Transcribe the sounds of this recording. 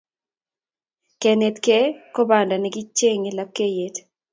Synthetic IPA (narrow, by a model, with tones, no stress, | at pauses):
kɛ˨ne˨tkɛ˦ko˦ba˨nda˨nɛ˨ɡɪ˦t͡ʃːe˦ŋe˨la˦kːe˦je˨t